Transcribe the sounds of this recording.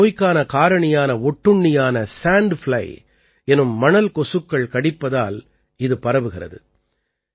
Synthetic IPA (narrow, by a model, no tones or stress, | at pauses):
oːjkːaːnɐkaːɾɐɳɐjaːnɐɔʈːɯɳːɪjaːnɐsaːɳɖflɐ̰ɪ | ɛnɯmːɐɳɐlkɔsɯkːɐɭkɐɽɪpːɐðaːl | ɪðɯpɐɾɐʋɯɣɪrɐ̰ðɯ̰